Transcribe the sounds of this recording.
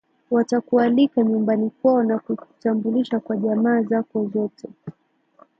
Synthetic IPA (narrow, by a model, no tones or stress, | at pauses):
watakualikaɲumbanikwaɔnakutambuliʃakwaʄamaːzakɔzɔtɛ